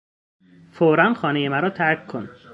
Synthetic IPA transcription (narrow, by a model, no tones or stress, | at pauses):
foːɾænxɒːnejemæɾɒːt̪ʰæɾkʰːon